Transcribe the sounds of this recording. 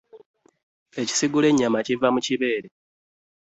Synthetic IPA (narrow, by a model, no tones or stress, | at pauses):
e̞ci̥siɡule̞ɲːamacivamuciβe̞ːɾe̞